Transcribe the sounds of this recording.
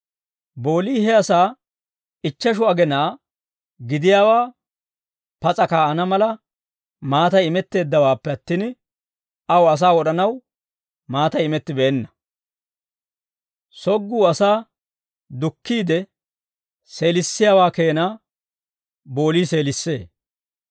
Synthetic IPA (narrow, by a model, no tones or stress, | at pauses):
bo̞ːliːhɛɐsaː | ɪt͡ʃːɐʃ̬ʊɐɡɛnaː | ɡɪd̪ɪjaːwaː | pɐt͡sʼɐkaːɐnɐmɐlɐ | maːt̪ɐjɪmɛt̪ːe̞ːd̪ːɐwaːpːɛɐt̪ːiːn | ɐwɐs̬aːwɔɗɐnɐw | maːt̪ɐjɪmɛt̪ːɪbɛːnːɐ̥ | sɔɡːuːɐsaː | d̪ʊkːiːd̪ɛ | se̞ːlɪsːɪjaːwaːke̞ːnaː | bo̞ːliːse̞ːlɪsːe̞̰ː